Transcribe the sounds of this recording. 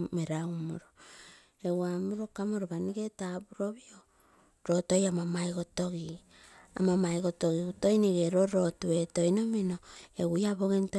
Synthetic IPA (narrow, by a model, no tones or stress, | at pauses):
meɾawmo̰ɾo | ewamuɾokamoɾoβaniɡe̞tabuɾo̞βio | ɾo̞to̞jamamajɡoto̞ɡi | a̰mamajɡo̞toɡiuto̞jniɡeɾo̞ɾo̞tue̞tojno̞mino̞eɡujaβoɡento